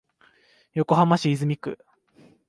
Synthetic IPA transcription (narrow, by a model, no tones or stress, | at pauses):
jo̞ko̞ɦamaɕiːzɨmʲikɯ̟̰